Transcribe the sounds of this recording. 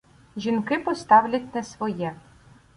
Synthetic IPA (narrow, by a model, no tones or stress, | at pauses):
ʒʲinkɪpɔst̪ɑwlʲɐt̪ʲnɐsʋɔjɛ